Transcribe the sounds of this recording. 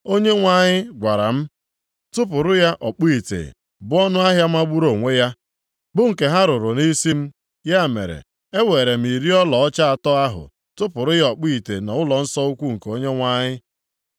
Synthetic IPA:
o˦ɲe˦ŋʷa˨ɲɪ˦ɡʷa˨ɾa̰˨m̩˦ | tʊ˦p̬ʊ˨ɾʊ˦ja˦ʔɔ˨k͡pi˦i˨tḛ˨ | bʊ˦ɔ˦nʊ˦a˦ɦja˦m˦a˦ɡ͡bu˦ɾo˨ŋʷe˦ja˦ | bʊ˦ŋ̩˨ke˨ɦa˦ɾʊ˨ɾʊ˨ni˦si˦m̩˦ | ja˦˨mḛ˨ɾḛ˨ | e˦we˨ɾe˨m̩˨i˨ɾi˦ɔ˦lɔ˨ɔ˦t͡ʃa˦a˨tɔ˦a˦ɦʊ̰˨ | tʊ˦pʊ˨ɾʊ˦ja˦ɔ˨k͡pi˦˨tḛ˨nɔ˨ʊ˦lɔ˨n̩˦sɔ˦u˦kʷu˦ŋ̩˨ko˦ɲe˦ŋʷa˦ɲɪ˦

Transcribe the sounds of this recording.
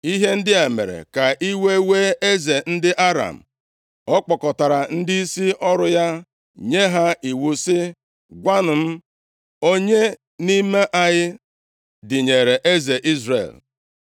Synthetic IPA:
i˦ɦe˦n̩˦dɪ˦a˨mḛ˨ɾḛ˨ka˨ʔi˦we˦we˦e˦ze˨n̩˦dɪ˦ʔa˦ɾa̰˨m̩˨ | ɔ˦k͡pɔ˨kɔ˨ta˨ɾa˨n̩˦dɪ˦i˦si˦ɔ˦ɾʊ˨ja˦ | ɲe˦ɦa˦i˨wu˨sɪ˦ | ɡʷa˦nʊ˨m̩˦ | o˦ɲe˦ | ni˦me˦ʔa˨ɲɪ˦ | dɪ˨ɲe˨ɾe˨ʔe˦ze˨ʔi˦zrḛ˨l

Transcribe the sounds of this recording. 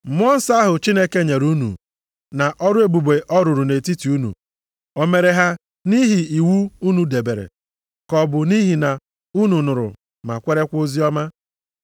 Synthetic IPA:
m̩˨mʊ˦ɔ˦n̩˦sa˦ɦʊ˨t͡ʃi˦ne˦ke˦ɲe˨ɾu˦nṵ˨ | na˨ʔɔ˦ɾʊ˦e˨bu˨be˨ʔɔ˦ɾʊ˨ɾʊ˨ne˨ti˦ti˨u˦nṵ˨ | o˦me˨ɾe˨ɦa˦ | ni˦ɦi˨i˨wu˦u˦nu˨de˨be˨ɾḛ˨ | kɔ˨bʊ˨ni˦ɦi˨na˨ | u˦nu˨nʊ˨ɾʊ̰˨ | ma̰˨kʷe˦ɾe˦kʷo˦zi˦ɔ˦ma˦

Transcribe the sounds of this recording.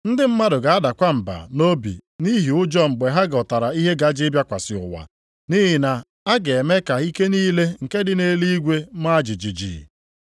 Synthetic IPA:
n̩˦dɪ˦m̩˦ma˦dʊ˨ɡa˨a˦da˨kʷa˦m̩˨ba̰˨no˦bḭ˨ni˦ɦi˨ʊ˦d͡ʒɔ˦ŋ͡m̩˨ɡ͡be˨ɦa˦ɡɔ˨ta˨ɾa˨i˦ɦe˦ɡa˨˦d͡ʒɪ˦bja˦kʷa˨sɪ˨ʊ̰˨wa̰˨ | ni˦ɦɪ˨na˨ | a˦ɡe˨e˨me˦ka˨i˦ke˦niː˦le˦ŋ̩˨ke˦dɪ˦ne˦li˦ɡʷe˦ma˦d͡ʒi˨d͡ʒi˨d͡ʒḭ˨

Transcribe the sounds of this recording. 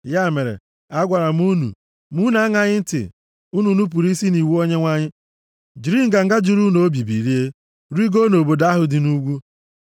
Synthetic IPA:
ja˦˨me˨ɾḛ˨ | a˦ɡʷa˨ɾa˨m˦u˦nṵ˨ | mu˦na˦ŋa˦ɲɪ˦n̩˦tɪ̰˨ | u˦nu˨nu˦p̬u˨ɾi˦si˦ni˨wu˦o˦ɲe˦ŋʷa˦ɲɪ˦ | d͡ʒi˨ɾi˦ŋ̩˦ɡa˨ŋ̩˦ɡa˦d͡ʒu˨ɾu˦no˨˦o˦bi˨bḭ˨ɾi˦e˦ | ɾi˦ɡo˦no˨bo˨da˦ɦʊ˨dɪ˨nu˦ɡʷu˦

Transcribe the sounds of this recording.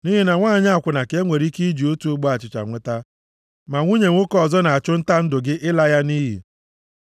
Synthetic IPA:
ni˦ɦi˦na˨ŋʷaː˦˨ɲa˦a˨kʷʊ˨na˨ke˦ŋʷe˨ɾi˦ki˦d͡ʒi˨o˦tu˨ʊ˦ɡ͡bɔ˦a˨t͡ʃɪ˨t͡ʃa̰˨ŋʷe˦ta˦ | ma˨ŋʷu˦ɲe˨ŋʷʊ˦kɔ˦˨zɔ˦na˨a˨t͡ʃʊ˦n̩˦ta˦n̩˦dʊ˨ɡɪ˦ʔɪ˦la˦ja˦ni˦ɦḭ˨

